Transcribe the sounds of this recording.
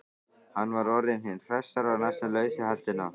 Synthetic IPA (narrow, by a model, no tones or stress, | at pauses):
hanvaɾɔɾɪnhɪnfɾɛst̪aɾawnasalœjsɪhalt̪ɪna